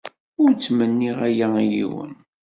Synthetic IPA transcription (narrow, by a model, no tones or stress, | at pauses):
ʊɾt͡sːmənːiʁæjæijḭwə̰n